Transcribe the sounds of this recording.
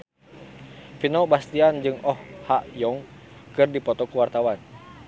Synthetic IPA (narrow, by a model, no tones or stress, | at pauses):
finɔbast̪iand͡ʒɨŋɔhhaʔjɔŋkɨrdipɔt̪ɔkuwart̪awan